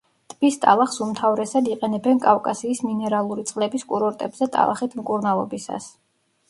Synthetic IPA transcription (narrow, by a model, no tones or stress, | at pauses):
t̪ʰʼb̥ist̪ʼa̰lˠaχsumt̪ʰavɾɛsad̪iqʼɛnɛbɛnkʼafkʼasiːsminɛɾalˠuɾit̪sʼlɛbiskʼuɾɔɾt̪ʼɛbzɛt̪ʼa̰lˠa̰χit̪ʰmkʼuɾnalˠɔbisa̰s